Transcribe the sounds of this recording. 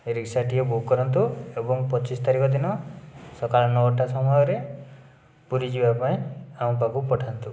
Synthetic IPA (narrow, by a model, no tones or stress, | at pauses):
eɾiksaʈiebukːɔɾɔnt̪uebɔŋpɔt͡ʃisɔ̥t̪aɾikɔd̪inɔsɔkalɔnɔʈasɔmɔjɔɾe | puɾid͡ʒibapaĩamɔpakupɔʈʰant̪u